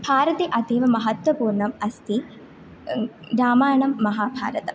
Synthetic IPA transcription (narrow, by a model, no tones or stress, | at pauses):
b̥ʱaːɾɐt̪eʔɐd̪ʱeːʋɐmɐɦɐt̪wɐpuːɾɳɐmɐst̪ʰi | ɾaːmaːjɳɐmːɐɦaːbʱa̰ːɾɐt̪ɐm